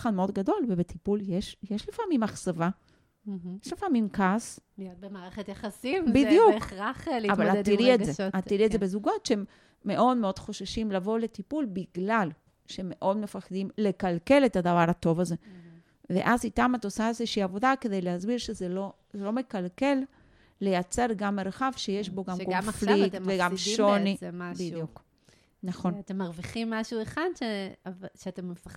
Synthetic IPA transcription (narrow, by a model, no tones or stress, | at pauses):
χadmeo̞dɡado̞lvebet̪ipuljeʃjeʃlefamimaχsava | jeʃlefamimkasmaːʁeχet̪jaχasimbidijuaχlavalat̪ːiʁietzeat̪ːiʁietzebezuɡo̞t̪ʃehemː | e̞ʔo̞d̪meo̞d̥̪χo̞ʃaʃimlavo̞le̞t̪ipulbiɡlal | ʃeemːe̞ʔo̞d̪me̞faχd̪imle̞kalke̞le̞tad̪avaʁhato̞vaze̞ | vḛʔazit̪amat̪o̞saezeʃiːavo̞d̪ake̞d̪e̞jlehazbiʁʃezelo | zelo̞me̞kalke̞lː | e̞jat͡se̞ʁɡamːeɾaχavʃeje̞ʃbo̞ɡamkoflik̪veɡammʃonimabijuk | naχonatemːaʁviχimːaʃueχad̪ʃevʃeatemːefa